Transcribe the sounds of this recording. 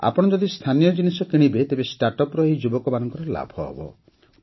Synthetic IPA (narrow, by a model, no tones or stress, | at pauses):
a̰pɔɽ̃ɔd͡ʒɔd̪ist̪ʰanijɔd͡ʒinisɔkiɽ̃ibet̪ebesʈaɾʈɔpɾɔɦid͡ʒubɔkɔmanɔŋkɔɾɔla̰bʱɔbɔ̰